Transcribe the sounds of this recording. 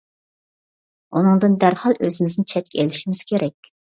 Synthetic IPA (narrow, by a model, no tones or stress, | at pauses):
unɨŋd̪ɨnd̪æɾhɑlˠøzɪmɪznɪt͡ʃʰɛt̪̚kʲeliʃimɪz̥kʲʰeɾɛkʲ